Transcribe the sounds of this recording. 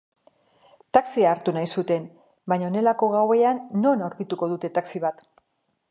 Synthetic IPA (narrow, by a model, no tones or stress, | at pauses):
t̪aksiaːɾt̪unajsut̪e̞n | bajɲone̞lako̞ɣ̞awe̞anːo̞nawɾkit̪uko̞ðut̪e̞t̪aksiβ̞at̪